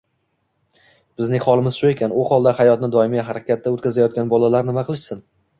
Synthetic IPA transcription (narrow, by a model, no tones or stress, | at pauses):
b̥ɪznɪŋʲχɒlˠɪmɪz̥ʃʊe̞kʲanʊhɒlˠd̪ahajɒt̪nɪd̪ɒɪmɪjʲaɦaɾakʲat̪̚ːaot̪kʲazajɒt̪̚ɡʲanbɒlalaɾnɪmaqʰɨlˠɪʃsɪn